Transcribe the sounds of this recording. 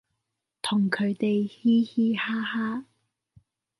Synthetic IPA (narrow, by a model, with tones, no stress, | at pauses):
t̪ʰʊ˨˩ŋkʰɵ˨˧ɥt̪e˨jhiː˥hiː˥haː˥haː˥